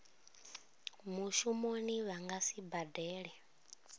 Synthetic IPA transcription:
muʃumoniβaŋɡasibadɛːɺɛ

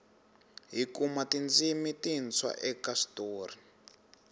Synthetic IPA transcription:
ɦikumatind͡zimitint͡sʰwa̰ʔɛkastoːri

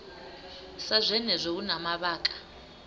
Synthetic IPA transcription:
sazʷɛnɛzʷɛunamaβaːkʼḁ

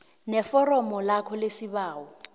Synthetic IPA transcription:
nɛfɔrɔmɔlakʰɔlesibaːɔ

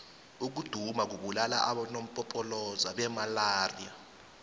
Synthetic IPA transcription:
uk̬ud̥ʱumak̬uɓulala̰ʔaɓanom̩pʼɔpʰʼɔlɔzaɓɛmalaːrija

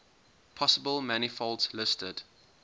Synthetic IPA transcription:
pʰɔsəbəlˠmanifɔltslɪstəd̥

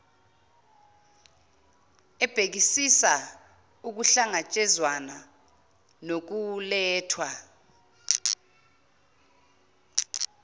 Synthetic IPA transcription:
ɛb̥ʱek̬isisa | uk̬uɬaŋat͡ʃʼɛzwana | nok̬ulɛːtʰwa

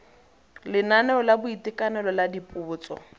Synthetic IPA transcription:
lɪnanɛɔlabʊitʼɪkʼanɛlɔladipʼʊːt͡sʼɔ̰

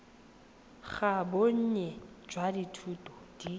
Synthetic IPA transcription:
χaboɲ̩ɲɛd͡ʒwaditʰuːtʼɔd̥i

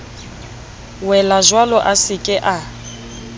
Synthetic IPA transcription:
wɛlazwalɔʔasɪkʼɪʔa

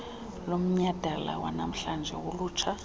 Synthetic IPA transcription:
lom̩ɲad̥ʱala̰wanam̩ɬand͡ʒʱɛ̰wuluːt͡ʃʰa

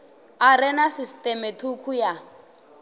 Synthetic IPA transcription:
aɾɛnasistʼɛmɛtʰukʰuja

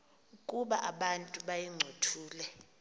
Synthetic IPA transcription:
ukʼuɓaʔaɓantʼuɓajiŋ͡ǀʱotʰuːlɛ

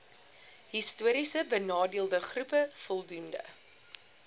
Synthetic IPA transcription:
ɦistuəɾisəbənɑːdiəlˠdəχrupəfɔlˠdundə̰

